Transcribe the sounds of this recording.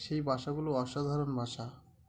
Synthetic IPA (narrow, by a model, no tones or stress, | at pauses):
ʃejbʱaʃaɡuloɔʃad̪ʱaɾonbʱaʃa